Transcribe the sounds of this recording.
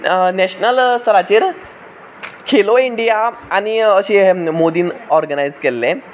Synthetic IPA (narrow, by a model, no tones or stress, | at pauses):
nɛɕnəlst̪əɾat͡ɕeːɾ | kʰeloiɳɖijaaɽ̃iəɕemod̪iːnɔɾɡənajd͡zkelːẽ